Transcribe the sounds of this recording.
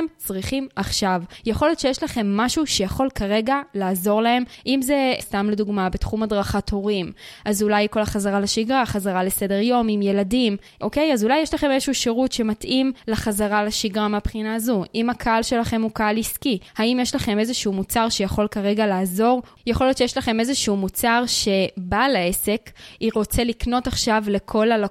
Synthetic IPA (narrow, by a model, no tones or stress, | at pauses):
mt͡sʁiχimaχʃavjeχo̞ljotʃejeʃlaχe̞mːaʃuʃejaχo̞lkaʁe̞ɡalaːzo̞ʁlahe̞mʔimze̞stamleduɡmabetχumadʁaχatʰo̞ʁimʔazulajko̞laχazaʁalaʃiɡʁaχazaʁalese̞de̞ʁjo̞mimje̞ladim | ʔo̞ke̞jazulajːeʃlaχe̞mezeʃuuʃeʁutʃe̞matʔimlaχazaʁalaʃiɡʁameapχinaːzuʔimakʰaalʃe̞laχe̞mukaaliskihaimjeʃlaχe̞me̞zeʃuumut͡saʁʃejaχo̞lkaʁe̞ɡalaːzo̞ʁ | jaχo̞ljo̞tt͡ʃejeʃlaχe̞mezeʃuumut͡saʁʃe̞balae̞se̞kiʁo̞t͡selikno̞taχʃavle̞kʰo̞lala